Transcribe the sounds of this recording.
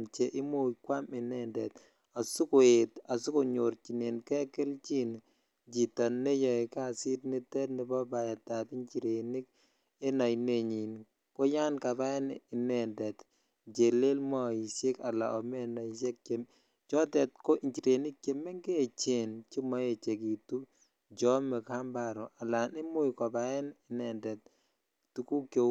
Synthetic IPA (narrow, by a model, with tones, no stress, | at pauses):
nt͡ʃe˨ʔɪ˦mu˦˨kwa˦mɪ˨nɛ˦ndɛ˨t | a˨su˦kʊ˨e˨ta˨su˦ko˨ɲo˨ɾt͡ʃi˨ne˨nkɛ˦kɪ˦lt͡ʃi˦n | d͡ʒi˨tɔ˨nːe˦jɔ˨i˨ka˦˨si˦tni˦tɛ˦nɪ˨bɔ˦ba˨ja˨ta˨ti˦ɲt͡ʃi˨ɾe˨ni˦k̚ | e˦nɔ˨jne˨ɲi˨n | ko˦ja˦nka˨ba˦nɪ˨nɛ˨ndɛ˨t | d͡ʒe˨le˦lmɔ˦i˨se˦ka˨la̰˨ʔɔ˨mɛ˦nɔ˨i˨se˦kke˦m | t͡ʃɔ˦tɛ˨tko˦i˨ɲt͡ʃi˨ɾe˨ni˦k̚ke˨mɛ˦ŋɡe˦˨t͡ʃe˨nt͡ʃi˦mɔ˨˦e˨t͡ʃe˨ki˨tu˦ | d͡ʒɔ˦mɛ˨ka˦mba˨ɾɔ˨ʔa˨la˨nɪ˦mʊ˦jkɔ˨ba˦ɛ˦nɪ˨˦nɛ˨ndɛ˨t̚ | tu˨ku˦kjo˨